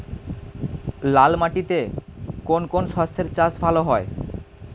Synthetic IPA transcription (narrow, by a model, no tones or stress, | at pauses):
lalmaʈit̪ekonkonʃɔst̪ʰeɾt͡ɕasbʱaloɦɔe